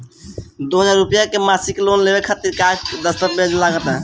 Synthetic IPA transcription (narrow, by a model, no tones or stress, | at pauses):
d̪oɦəd͡ʒaɾːupjakemasiklonlebekʰat̪iɾkad͡ʒd̪əst̪əp̚bed͡ʒlaɡət̪ɛ